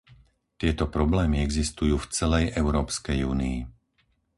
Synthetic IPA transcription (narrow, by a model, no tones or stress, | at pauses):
t̪ɪɛt̪ɔpɾɔblɛːmiɛɡzist̪ujuːft͡sɛlɛjʔɛʊɾɔːpskɛjuːnii